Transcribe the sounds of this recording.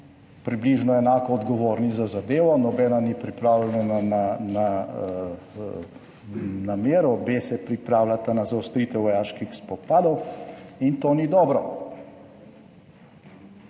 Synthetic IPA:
pɾibliːʒnɔɛnaːkɔːd̪ɡɔʋoːɾnizazad̪eːʋɔnɔbɛːnanipɾipɾaːwlɛnananana | nameːɾɔbesɛpɾipɾaːwlat̪anazawst̪ɾiːt̪ɛwʋɔjaːʃkixspɔpaːd̪ɔwint̪onid̪ɔːbɾɔ

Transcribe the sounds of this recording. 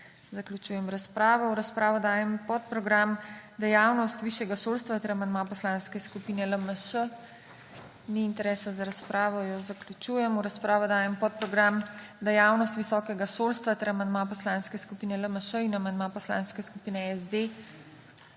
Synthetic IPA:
zaklʲut͡ʃuːjɛmɾaspɾaːʋɔwɾaspɾaːʋɔd̪aːjɛmpɔt̪̚pɾɔɡɾamd̪ɛjaːwnɔst̪ʋiːʃjɛɡaʃoːlst̪ʋat̪ɛɾɐmand̪mapɔslaːnskɛskupiːnɛləməʃə | niːnt̪ɛɾɛːsazaɾaspɾaːʋɔjɔzaklʲut͡ʃuːjɛmuɾaspɾaːʋɔd̪aːjɛmpɔt̪̚pɾɔɡɾamd̪ɛjaːwnɔst̪ʋisɔːkɛɡaʃoːlst̪ʋat̪ɛɾamand̪mapɔslaːnskɛskupiːnɛləməʃəinamaɐnd̪mapɔsla̰ːnskɛskupiːnɛɛzd̪e

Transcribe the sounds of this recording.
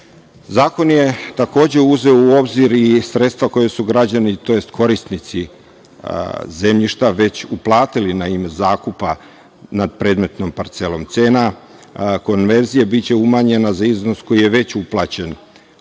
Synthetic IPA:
zaːko̞nje̞t̪ako̞ːd͡ʑe̞uze̞ouo̞bziɾisɾe̞t̪st̪ʋako̞jesuɡɾad͡ʑanit̪o̞je̞st̪kʰo̞ɾist̪nit̪si | ze̞mʎiʃt̪aʋe̞t͡ɕuplˠaːt̪ilinaimezaːkupa | nad̪̚pɾe̞ːd̪me̞t̪no̞mpaɾt̪se̞lo̞mt̪seːna | ko̞nʋe̞ɾzijebitt͡ɕe̞umaɲe̞nazaizno̞sko̞jije̞ʋe̞t͡ɕuplˠat͡ɕe̞n

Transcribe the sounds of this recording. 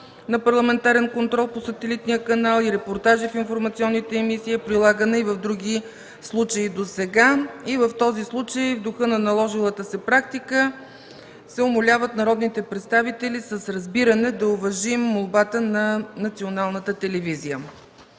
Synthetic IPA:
nɐpɐɾlˠɐmɛnt̪aɾɛnkont̪ɾɔlˠposɐt̪ɛlit̪nijəkɐnalˠiɾɛpoɾt̪aʒifinfoɾmɐt̪siɔnːit̪ɛːmisiːpɾilˠaɡənɛivɐvd̪ɾuɡʲi | slˠut͡ʃəid̪osɛɡaivəft̪ɔzislˠut͡ʃəjvd̪ʊxɤnɐnɐlˠɔʒilˠət̪əsɛpɾak̚t̪ikə | sɛʊmolʲavət̪nɐɾɔd̪nit̪ɛpɾɛt̪st̪avit̪ɛlisəsɾɐzbiɾənɛd̪ɐʊvɐʒimːolˠbat̪ənɐnɐt̪sionalˠnət̪ət̪ɛlɛvizijə

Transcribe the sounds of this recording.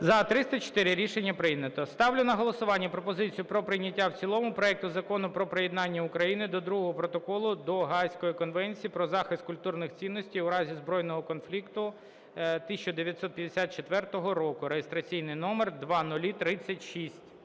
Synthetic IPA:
zɐt̪ɾɪst̪ɐt͡ʃɔ̥t̪ɪɾɪɾʲiʃenʲːɐpɾɪjnʲɐt̪ɔst̪ɑwlʲʊnɐɦɔlˠɔsʊʋɑnʲːɐpɾɔpɔzɪt͡sʲijʊpɾɔpɾɪnʲɐtʲːawt͡sʲilˠɔmʊpɾɔɛk̚t̪ʊzɐkɔnʊpɾɔpɾejed̪nɑnʲːɐʊkɾɐjinɪd̪ɔd̪ɾuɦɔɦɔpɾɔt̪ɔkɔlˠʊd̪ɔɦɑjsʲkɔjikɔnʋɛnʲt͡sʲijipɾɔzɑxɪst̪kʊlʲt̪urnɪxt͡sʲinːɔsʲtʲijʊɾɑzʲizbɾɔjnɔɦɔkɔnflʲikt̪ʊ | t̪ɪsʲt͡ʃɔd̪eʋʲjɐt̪sɔt̪̚pʲjɐd̪esʲat̪̚t͡ʃet̪ʋɛrt̪ɔɦɔɾɔkʊɾejest̪ɾɐt͡sʲijnɪjnɔmerd̪ʋɑnʊlʲit̪ɾɪt͡sʲːɐtʲʃisʲtʲ

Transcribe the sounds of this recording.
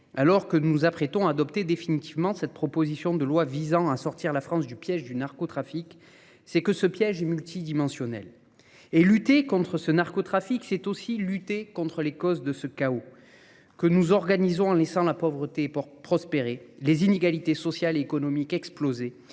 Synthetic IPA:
alɔʁkənuzapχɛt̪ɔ̃aːd̪ɔpt̪ed̪efinit̪ivmɑ̃sɛt̪̚pχɔpozisjɔ̃d̪əlwavizɑ̃asɔʁt̪iʁlafχɑ̃sd̪ypjɛʒd̪ynaʁkɔt̪χafik | sɛkəsəpjɛʒɛmylt̪ʰid̪imɑ̃sjɔnɛ̰l | elyt̪ekɔ̃t̪χəsənaʁkot̪χafiksɛt̪osilyt̪ekɔ̃t̪χəlekɔzd̪əsəkao | kənuzɔʁɡanizɔ̃ɑ̃lɛsɑ̃lapɔvʁət̪epχɔspeʁelezineɡalit̪esɔsjaleːkɔnɔmikɛksploze

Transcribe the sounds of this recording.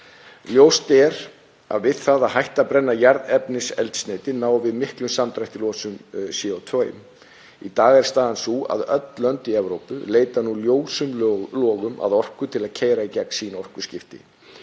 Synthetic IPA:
ljoːwst̪ɛɾ | a̰ðvɪðθaðaɦajht̪apɾɛnːajaɾðɛpnɪsɛ̰lt̪st̪neːjt̪ɪnaːwvɪðmɪhklʏmsamt̪ɾajht̪ɪlɔːsʏmsiɔwt̪ʰvœːjʏ̰m | it̪aːɣɛɾ̥st̪aːðansua̰ðœ̰t̪lœnt̪iɛvɾowpʏleːjt̪anuljoːwsʏmlɔːɣʏma̰ðɔr̥kʏt̪ʰɪlaðcʰeːjɾaicɛksiːnɔr̥kʏ̥scɪft̪ɪ̰

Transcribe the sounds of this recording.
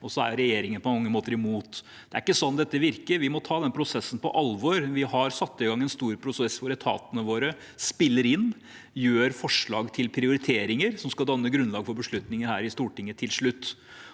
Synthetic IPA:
ɔsɔæ̰ɾɾɛjeːɾɪŋənəpʰɔmɑŋːəmoːt̪əɾɪmuːt̪ | d̪̥ɛæɾɪkːəsɔnːd̪ɛt̪ːəʋɪɾkəɾʋɪmɔt̪ʰɑːd̪ɛnpʰɾʊsɛsːən̩pɔ̰ʔɑlʋɔːɾʋɪhɑɾsɑt̪ːɪɡɑŋːɛnst̪uːɾpʰɾʊsɛsːfɔɾɛt̪ʰɑ̰ːt̪ənəʋoːɾə | spɪlːəɾɪn | jøːɾfɔʂɭɑ̰ːɡt̪ʰɪlpʰɾɪʊɾɪt̪ʰeːɾɪŋəɾsɔmskɑd̪ɑnːəɡɾʉnlɑːɡfɔɾbəʂɭʉt̪nɪŋəhæːɾɪst̪uːʈɪŋːət̪ʰɪlʂɭʉt̪ː

